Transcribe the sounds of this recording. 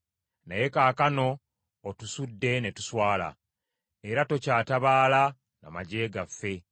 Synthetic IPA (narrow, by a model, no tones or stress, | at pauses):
na̰je̞kaːkano̞ː | tusudːe̞ne̞tu̥swaːla̰ | eɾato̞caːtaβaːla | na̰maɟe̞ːɡafːe̞